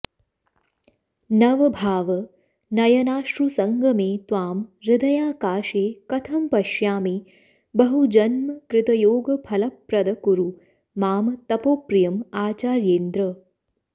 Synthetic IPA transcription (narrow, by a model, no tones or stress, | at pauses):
nɐʋɐbʱaːʋɐ | nɐjɐnaːʃɾusɐŋɡʱɐmeːt̪ʋaːmɾɪd̪ɐjaːkaːʃeːkɐt̪ʰɐmpɐʃjaːmi | bɐɦud͡ʒɐnmɐkɾɪt̪ɐjoːɡɐpʰɐlɐpɾɐd̪ɐkuɾu | maːmɐt̪ɐpoːpɾijɐmaːt͡ʃaːɾjeːnd̪ɾɐ